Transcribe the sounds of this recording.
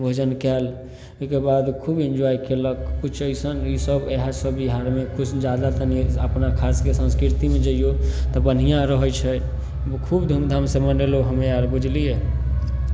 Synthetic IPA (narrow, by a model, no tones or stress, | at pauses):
bʱod͡ʒənkɛl | oikebad̪kʰubend͡ʒɔikeləkːut͡ʃʰəjsənisəbeɦasəbiɦaɾmekut͡ʃʰd͡ʒad̪at̪əniəpnakʰaskesə̃nskɾiɾt̪imed͡ʒəijot̪ɔbən̤ijãɾəɦət͡ʃʰɛ | bkʰubd̪ʱumd̪ʱamsemənɖeloɦəmeaɾbud͡ʒʱlije